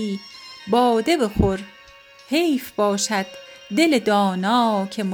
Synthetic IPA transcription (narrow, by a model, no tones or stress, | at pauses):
iːbɒːd̪e̞bexoɾ | hejfbɒːʃæd̪̥̚ːe̞led̪ɒːnɒːcʰe̞m